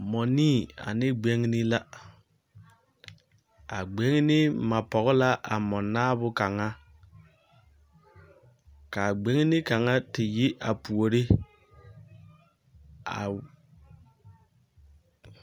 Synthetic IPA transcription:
mɔ˨niː˦˨a̰˨nɪ˦ɡ͡be˦ŋ˦nɪ˦la˦ | a˨ɡ͡be˦ŋ˦nɪ˦ma˨pɔ˨ɣɪ˦la˦ʔa˨mɔ˨naː˦bʊ˦ka˨ŋa˦ | ka˨ɡ͡be˦ŋ˦nɪ˦ka˨ŋa˦tɪ˨ji˦ʔa˨pu˨o˨ɾi˦ | a˨

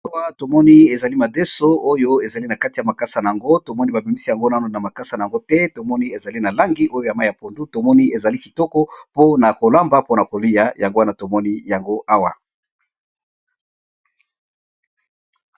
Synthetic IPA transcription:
a˦wa˦to˨mɔ˦ni˦e˨za˨li˦ma˨de˦so˦o˦jo˦e˨za˨li˦na˨ka˦ti˨ja˨ma˨ka˦sa˨na˨ja˨ŋɡo˦to˨mɔ˦ni˦ba˨bi˨mi˦si˦ja˨ŋɡo˦na˦no˨na˨ma˨ka˦sa˨na˨ja˨ŋɡo˦tɛ˦to˨mɔ˦ni˦e˨za˨li˦na˨la˦ŋɡi˦ʔo˦jo˦ja˨ma˦˨ja˨po˨ndu˦to˨mɔ˦ni˦e˨za˨li˦ki˨tɔ˦kɔ˦po˦na˨ko˨la˦mba˦po˦na˨ko˨li˦ja˦ja˨ŋɡo˦a˦na˨to˨mɔ˦ni˦ja˨ŋɡo˦ʔa˦wa˨

